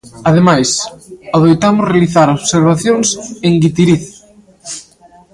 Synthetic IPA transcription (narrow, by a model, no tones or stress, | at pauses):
aðemajsaðojt̪amʊzrealiθaɾoβseɾβ̞aθjoŋseŋɡit̪iɾiθ